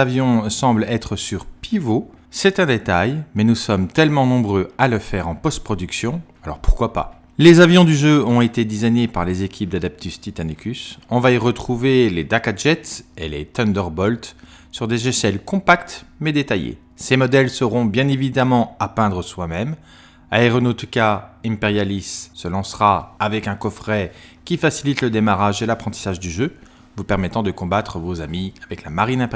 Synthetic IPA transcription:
avjɔ̃sɑ̃blɛt̪χəsyʁpivo | sɛt̪ɛ̃d̪et̪ajmɛnusɔmt̪ɛlmɑ̃nɔ̃bʁøaləfɛʁɑ̃pɔst̪̚pχɔd̪yksjɔ̃ | alɔ̰ʁpuʁkwapa̰ | lezavjɔ̃d̪yʒøɔ̃et̪ed̪isajɲepaʁlezekʲʰip̚d̪ad̪ap̚t̪ʰyst̪it̪anikʲysɔ̃vaiʁət̪χuveled̪akaʒɛt̪sḛlḛt̪ɔnd̪œʁbɔlt̪ | syʁd̪eʒesɛlkɔ̃pakt̪mɛd̪et̪ajḛ | semɔd̪ɛlsəʁɔ̃bjɛ̃nevid̪amɑ̃apɛ̃d̪ʁəswamɛm | aeʁɔnot̪ukaĩpeʁjalisːəlɑ̃sʁaavɛkɛ̃kɔfχɛkʲifasilit̪ləd̪emaʁaʒelapχɑ̃t̪i̥saʒd̪yʒø | vupɛʁmɛt̪ɑ̃d̪əkɔ̃bat̪χəvozamiavɛklamaʁinɛ̃p

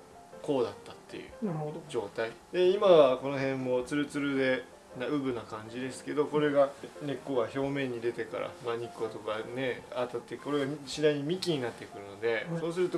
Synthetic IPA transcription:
ko̞ːd̪at̪ːat̪ːe̞̰jɯ̰nd͡ʑo̞ːt̪aid̪e̞imaβako̞no̞ɦẽ̞mːo̞t͡sɨɾɯ̟t͡sɨɾɯ̟d̪e̞ | naɯ̟bɯ̟nakãɲ̟d͡ʑid̪e̞sɨ̥ke̞d̪o̞ko̞ɾe̞ɡane̞kːoɡaço̞ːmẽ̞ɲ̟ːid̪e̞t̪e̞ka̰ɾa̰maɲ̟ikːot̪o̞kaneat̪at̪ːeko̞ɾe̞ɡaɕid̪aiɲ̟imʲikʲiɲ̟inat̪ːe̞kɯ̟ɾɯ̟no̞d̪e̞so̞ːs̬ɨɾɯ̟t̪o

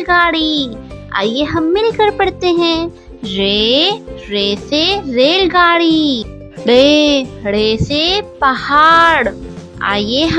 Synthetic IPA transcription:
ɡaːɽia̰ːjeɦɐmːɪlkəɾpɐɽt̪eɦɛ̃ː | ɾeːɾeːseɾeːlɡaːɽi | ɽeɽeːsepɐhaːɽ | a̰ːjeɦ

